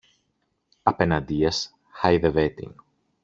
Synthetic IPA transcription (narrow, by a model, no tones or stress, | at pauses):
ɐpe̞nɐnd̪iɐs | xɐjðevet̪ḭŋ